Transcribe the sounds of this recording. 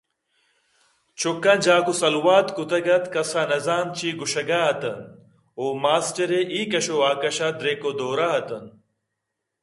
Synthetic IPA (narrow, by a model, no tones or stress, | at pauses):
t͡ɕʰukːɐnd͡ʑaːkusɐlwaːt̪kut̪ɐɡɐt̪kɐsanɐzaːmt͡ɕʰiːɡuɕɐɡaɦɐt̪ɐn | oːmaːsʈɐɾeʔiːkɐɕoaːkɐɕad̪ɾeːkod̪oːɾaɦɐt̪ɐn